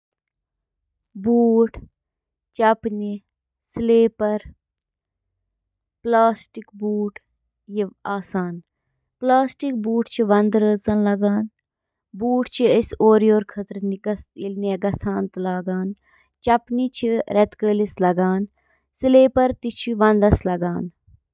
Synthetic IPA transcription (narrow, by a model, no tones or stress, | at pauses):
buːʈʰ | t͡ʃɐpni | sleːpɐɾ | plaːsʈikbuːʈ | jiʋaːsaːn | plaːsʈik̚buːʈt͡ʃʰiʋɐnd̪ɾəːt͡sɐnlɐɡaːn | buːʈt͡ʃʰiəsoːɾijoːɾkʰɐt̪ɾniɡɐsilneɡɐst̪ʰaːnt̪laːɡaːn | t͡ʃɐpnit͡ʃʰiɾɛt̪kəːlislɐɡaːn | sileːpɐɾt̪it͡ʃʰiʋɐnd̪ɐslɐɡaːn